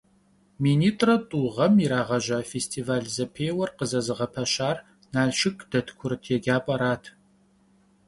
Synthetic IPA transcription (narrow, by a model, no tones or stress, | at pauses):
miːniːtʼrɐtʼuːʁɐmiɾaːʁɐʒaːfeːstʰiːvaːɮzɐpʰeːwɐrqəzɐzɨʁɐpʰɐɕaːr | naːʃɪkʰʼd̥ɐtʰkʷʰʊrtʰjɛɡʲaːpʼɐɾaːtʰ